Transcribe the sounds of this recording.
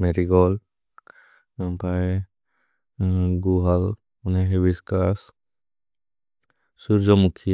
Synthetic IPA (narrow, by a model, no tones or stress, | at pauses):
meɾiɡɔl | pae | ɡuɦal | uneɦebiskas | suɾd͡ʒɔmukʰij